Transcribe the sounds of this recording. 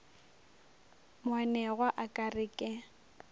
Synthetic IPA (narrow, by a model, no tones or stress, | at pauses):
mʊwanɛɣwaʔakʼarɪkʼɪ